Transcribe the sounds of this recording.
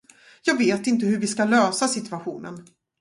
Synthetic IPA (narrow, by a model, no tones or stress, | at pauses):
jɑːɡveːt̪ɪnt̪əɦɵvɪskaløːsasɪt̪ɵaɧuːnə̰n